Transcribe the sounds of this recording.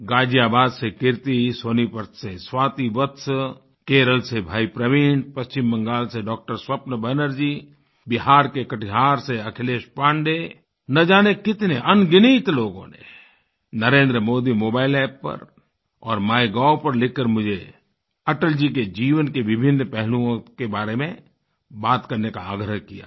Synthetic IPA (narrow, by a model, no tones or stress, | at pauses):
ɡaːd͡ʒiaːbaːd̪sekɪɾt̪isoːnipəɾt̪seswaːt̪ibət̪s | keːɾəlsebʱaːipɾəʋɪːnpɐst͡ʃɪmːə̃ŋɡaːlseɖɔːk̚ʈəɾswɐpnəbʱənəɾd͡ʒiː | bɪɦaːɾkekɐʈʰiɦaːɾseɐkʰɪleːʃpãːɳɖe | nɐd͡ʒaːnekɪt̪neʔɐnɡɪniːt̪loːɡõ̰nḛ | nɐɾẽːnd̪ɾəmoːd̪imoːbaːɪlɛːpːɐ̰ɾ | ɔːɾmaːjɡaːpɐɾlɪkːəɾmʊd͡ʒʱe | ɐʈəld͡ʒik̬ed͡ʒiːʋənkeʋɪbʱɪnːpɛɦlũõkebaːɾemẽ | baːt̪kɐɾnekaaːɡɾəɦkija̰ː